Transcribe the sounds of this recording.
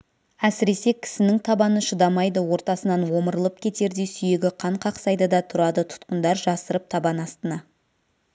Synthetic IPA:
æsɪɾe̞se̞kʲʰɪ̥sɪnɪŋt̪ʰɑbɑnəʃəd̪ɑmɑjd̪əwo̞ɾt̪ɑsənɑnwo̞məɾəlˠəp̚kʲʰe̞t̪e̞ɾd̪e̞sʏje̞ɡʲɪqʰɑɴqʰɑqsɑjd̪əd̪ɑt̪ʰʊɾɑd̪ət̪ʰʊ̥t̪qənd̪ɑɾʒɑsəɾəp̚t̪ʰɑbɑnɑst̪ənɑ

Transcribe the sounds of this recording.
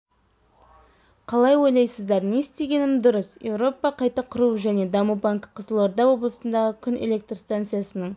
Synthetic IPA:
qʰɑlˠɑjwo̞jlˠɑjsəzd̪ɑɾne̞st̪e̞ɡʲe̞nɪmd̪ʊɾəsje̞̰wɾo̞pɑqʰɑjt̪ɑqʰʊɾuʒæne̞d̪ɑmubaŋkqʰːəzəlˠoɾd̪ɑwo̞blˠəsənd̪ɑʁəkʲʰʏnḛle̞k̚t̪rst̪ant̪sɨjasənəɴ

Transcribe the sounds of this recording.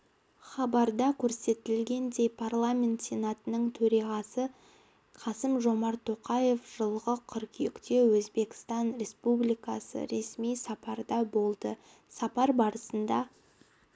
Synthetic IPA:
χɑbɑɾd̪ɑkʲʰɵɾse̞t̪ɪlɡʲe̞nd̪e̞jpʰarlˠamʲe̞nt̪sʲe̞nat̪ənəɴt̪ʰɵɾɑʁɑsə | qʰɑsəmʒo̞mɑɾt̪ʰːo̞qɑje̞fʒ̥əlˠʁəqʰʏɾkjekt̪e̞wɵzbe̞kʲɪ̥st̪ɑnɾe̞spublijkɑsə̰ɾe̞smijsɑpɑɾd̪ɑbo̞lˠd̪ə | sɑpɑɾbɑɾəsənd̪ɑ

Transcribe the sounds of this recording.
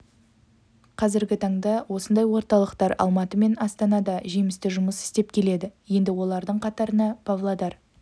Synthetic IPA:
qʰɑzɪɾɡʲɪt̪ʰɑɴd̪ɑwʔo̞sənd̪ɑjwo̞ɾt̪ɑlˠəqt̪ɑɾɑ̰lˠmɑt̪əme̞nɑst̪ɑnɑd̪ɑʒejmɪst̪ɪʒʊməsɪ̥st̪e̞p̚kʲʰe̞le̞d̪ɪje̞nd̪ɪwo̞lˠɑɾd̪əɴqʰɑt̪ɑɾənɑpʰavlˠad̪ɑɾ

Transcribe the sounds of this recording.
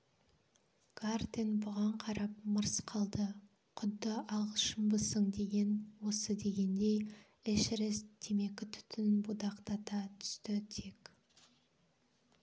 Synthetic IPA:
ɡ̥art̪enbʊʁɑɴqʰɑɾɑp̚məɾsqʰɑlˠd̪ə | qʰʊd̪ːəʔɑlˠʁəʃəmbəsəɴd̪e̞ɡʲe̞nwo̞səd̪e̞ɡʲe̞nd̪e̞j | ɪʃɾest̪ʰe̞me̞kʲɪt̪ʰʏ̥t̪ʰɪnbud̪ɑqt̪ɑt̪ɑt̪ʰʏ̥st̪ɪt̪ʰe̞k

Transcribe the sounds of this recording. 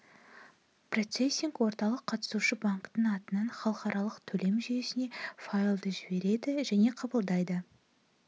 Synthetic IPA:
pro̞t̪sesʲːiŋkwo̞ɾt̪ɑlˠəqʰːɑt̪ə̥suʃəbaŋkt̪əɴɑt̪ənɑnχɑlˠəqɑɾʔɑlˠəqt̪ʰɵle̞mʒyje̞sɪne̞fajlˠd̪əʒɪbe̞ɾe̞d̪ɪʒæne̞qʰɑbəlˠd̪ɑjd̪ə

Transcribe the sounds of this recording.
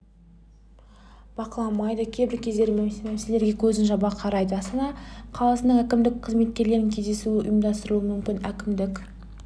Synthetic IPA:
b̥ɑqəlˠɑmɑjd̪əkʲʰebɪɾkʲʰe̞zd̪e̞memse̞le̞ɾɡʲe̞kʲʰɵzɪnʒɑbɑqʰɑɾɑjd̪əɑst̪ɑnɑqʰɑlˠɑsənəɴækʲɪmd̪ɪk̚qʰəzme̞t̪̚kʲe̞ɾle̞ɾɪŋkʲʰe̞zd̪e̞suɪʔʊ̰jəmd̪ɑst̪əɾuəmʏmkʲɪnækʲɪmd̪ɪkʲ

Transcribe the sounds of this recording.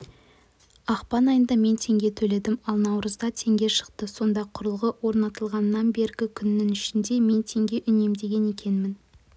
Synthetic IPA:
ɑqpɑnɑjənd̪ɑme̞nt̪ʰe̞ŋɡʲe̞t̪ʰɵle̞d̪ɪmɑlˠnɑwɾəzd̪ɑt̪ʰe̞ŋɡʲe̞ʃə̥qt̪əso̞nd̪ɑqʰʊɾəlˠʁəwo̞ɾnɑt̪əlˠʁɑnːɑnbe̞ɾɡʲɪkʲʰʏnːɪŋʏʃɪnd̪e̞me̞nt̪ʰe̞ŋɡʲe̞ʔʏne̞md̪e̞ɡʲe̞ne̞kʲe̞nmɪn

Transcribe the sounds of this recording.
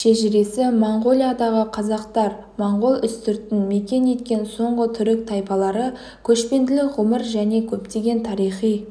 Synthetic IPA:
ʃeʒɪɾe̞sɪmoɴʁo̞lʲˠijad̪ɑʁəqʰɑzɑqt̪ɑɾ | moɴʁolˠʏst̪ʏɾt̪ɪnme̞kʲe̞ne̞t̪kʲe̞nso̞ɴʁət̪ʰʏɾɪk̚t̪ʰɑjpɑlˠɑɾə | kʲʰɵʃpe̞nd̪ɪlɪkʁʊməɾʒæne̞kʲʰɵpt̪e̞ɡʲe̞nt̪ʰɑɾijχij

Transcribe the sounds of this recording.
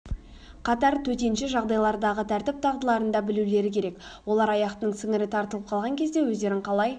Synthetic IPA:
qʰɑt̪ɑɾt̪ʰɵt̪e̞nʃɪʒɑʁd̪ɑjlˠɑɾd̪ɑʁət̪ʰæɾt̪ɪp̚t̪ʰɑʁd̪əlˠɑɾənd̪ɑbɪlule̞ɾɪkʲʰe̞ɾe̞kwo̞lˠɑɾɑjɑqt̪ənəɴsɪŋɪɾɪt̪ʰɑɾt̪əlˠəp̚qʰɑlˠʁɑŋkʲʰe̞zd̪ewɵzd̪e̞ɾɪɴqʰɑlˠɑj

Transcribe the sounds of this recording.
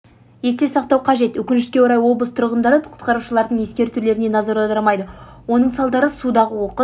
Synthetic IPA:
je̞st̪e̞sɑq̚t̪ɑwqʰɑʒe̞t̪wɵkʲɪnʃɪʃskʲewoɾɑjwo̞blˠəst̪ʰʊɾʁənd̪ɑɾəqʰʊ̥t̪qʰɑɾuʃəlˠɑɾd̪əɴje̞skʲe̞ɾt̪ʰʏɾle̞ɾɪne̞nɑzɑɾɑd̪ɑmɑjd̪əwo̞nəɴsɑlˠd̪ɑɾəsud̪ɑʁəwo̞qə

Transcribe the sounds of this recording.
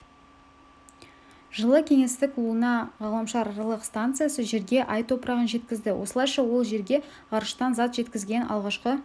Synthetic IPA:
ʒ̥əlˠəkʲʰe̞ŋe̞st̪ɪkuənɑʁɑlˠəmʃɑɾɑɾɑlˠəqst̪ant̪sɨjasəʒe̞ɾɡʲe̞ʔɑjt̪ʰo̞pɾɑʁənʒe̞t̪kʲɪzd̪ɪwʔo̞̰səlˠɑjʃɑwo̞lˠʒe̞ɾɡʲe̞ | ʁɑɾəʃt̪ɑnzɑt̪ʒe̞t̪kʲɪzɡʲe̞nʔɑ̰lˠʁɑʃqə

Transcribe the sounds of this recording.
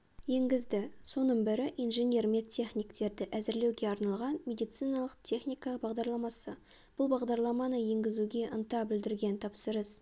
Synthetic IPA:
je̞ŋɡʲɪzd̪ɪso̞nəɴbɪɾɪʔijnʒe̞nʲe̞rme̞t̪ʲʰːe̞χnijkt̪e̞ɾd̪ɪʔæzɪɾlewɡʲe̞ɑɾnɑlˠʁɑnmʲe̞d̪ijt̪sijnɑlˠəq̚t̪ʰʲe̞χnʲijkɑbɑʁd̪ɑɾlˠɑmɑsə | b̥ʊlˠbɑʁd̪ɑɾlˠɑmɑnəje̞ŋɡʲɪzuɡʲe̞ʔənt̪ɑbɪld̪ɪɾɡʲe̞nt̪ʰɑpsəɾəs

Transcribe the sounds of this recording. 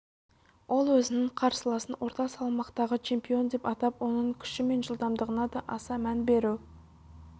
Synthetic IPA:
wʔo̞lˠwɵzɪnɪɴqʰɑɾsəlˠɑsənwo̞ɾt̪ɑsɑlˠmɑqt̪ɑʁət͡ʃʰe̞mpio̞nd̪e̞pɑt̪ɑpwo̞nəɴkʲʰʏ̥ʃɪme̞nʒəlˠd̪ɑmd̪əʁənɑd̪ɑʔɑsɑmænbe̞ɾuw

